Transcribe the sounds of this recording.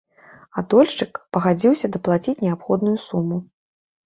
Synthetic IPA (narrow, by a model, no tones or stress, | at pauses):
ad̪ɔlʲʂt͡ʂɨkpɐɣad͡zʲiwsʲɐd̪ɐplˠat͡sʲit͡sʲnʲɛapxɔd̪nujusumːu